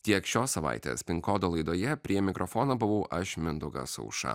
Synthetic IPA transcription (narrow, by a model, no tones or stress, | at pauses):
t̪ʲiɛkʃʲoːsɐʋa̰ɪt̪ʲḛːspʲɪŋkoːd̪olˠɐɪd̪oːjɛpʲɾʲiɛmʲɪkɾʔɔfɔːnɐbʊʋɐʊʔʔɐʃʲmʲɪnd̪ʊɡɐ̰sɔ̰ʊʃɐ̰